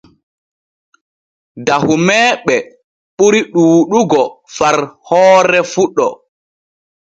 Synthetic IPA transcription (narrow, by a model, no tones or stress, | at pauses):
dahumɛːɓɛ | ɓuɾiɗuːɗuɡɔfaɾhɔːɾɛfuɗːɔ